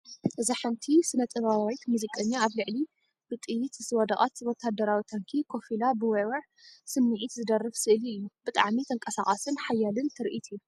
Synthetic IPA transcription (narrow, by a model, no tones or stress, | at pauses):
ʔɨziħɨnt̪ʰisɨnɐt̪ʼɨβawit̪muzikʼɐɲːaaβlɨʕli | bɨt̪ʼɨjːit̪ɨzɨwɐd̪aχʼat̪ɨwot̪ʰːad̪ɐɾawit̪ʰaŋkʰikʰo̞filabɨwɐwɐʕ | sɨmːɨʕit̪zɨd̪ɐrːɐfsɨʔɨliɨjːub̥ɨt̪ʼa̰ʕmit̪ʰɐŋkʼɐsaχʼɐsɨnħajːalɨnt̪ʰɨɾʔit̪ʰɨjːu